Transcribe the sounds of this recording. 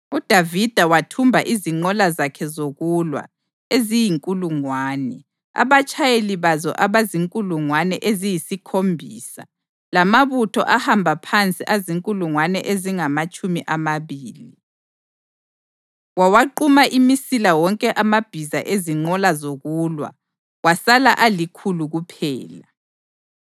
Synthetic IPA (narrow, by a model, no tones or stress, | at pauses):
ud̥ʱavid̥ʱawatʰumbʱaʔiziŋ͡ǃɔlazakʰɛzoɣulwa̰ | ezijiŋkʼuluŋwaːnɛ | a̰βat͡ʃʼʰajeliβazɔ̰ʔaβaziŋkʼuluŋwanɛʔezijisikʰombʱḭːsa̰ | lamaβutʰɔ̰ʔahambʱapʰant͡sʼiʔaziŋkʼuluŋwanɛʔeziŋamat͡ʃʼumiʔamaβiːli | wawaǃumaʔimisilawɔŋkʼɛʔamab̥ʱizaʔeziŋ͡ǃɔlazoɣulwa̰ | wasalaʔalikʰuluɣupʰɛːla